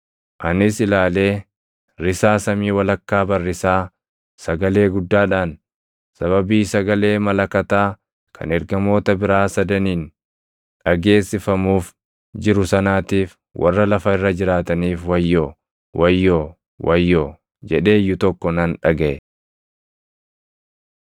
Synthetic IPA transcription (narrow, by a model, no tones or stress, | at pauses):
ʔɐnɪsɪlaːle̞ː | ɾɪsaːsɐmiːwɐlɐkːaːbɐrːɪsaː | sɐɡɐle̞ːɡʊd̪ːaːᶑaːn | sɐβɐbiːsɐɡɐle̞ːmɐlɐkɐt̪aː | kʰɐ̰nɛɾɡɐmo̞ːt̪ɐbɪɾaːsɐd̪ɐniːn | ᶑɐɡe̞ːsːɪfɐmuːf | d͡ʒɪɾʊsɐnaːt̪iːf | wʔɐ̰rːɐlɐfɐɪrːɐd͡ʒɪɾaːt̪ɐniːfwɐjːoː | wʔɐjːoː | wʔɐjːoː | d͡ʒɛᶑe̞ːjːʊt̪ɔkːɔnɐnᶑɐɡeː